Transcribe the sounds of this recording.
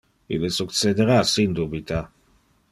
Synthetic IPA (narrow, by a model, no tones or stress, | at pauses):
ḭlːesuk̪sed̪eɾasind̪ubit̪a